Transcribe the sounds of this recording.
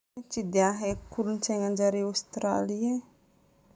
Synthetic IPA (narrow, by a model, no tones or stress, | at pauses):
t͡ʃid̪eaɦekuɾunt͡ʃeŋand͡ʒaɾiawst̪ɾalia